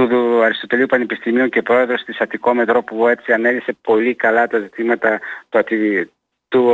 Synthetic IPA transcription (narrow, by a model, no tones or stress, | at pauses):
uɐɾist̪o̞t̪e̞liupɐnepist̪imioɲce̞pɾo̞e̞ðɾo̞st̪isɐt̪iko̞me̞t̪ɾo̞pue̞t͡siɐne̞lise̞po̞likɐlɐt̪ɐzit̪imɐt̪ɐt̪uɐt̪i | t̪u